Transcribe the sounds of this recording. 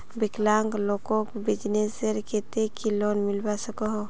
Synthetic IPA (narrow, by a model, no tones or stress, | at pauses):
biklaŋklokɔkbid͡ʒneseɾket̪ekilonmilbasəkɔɦɔ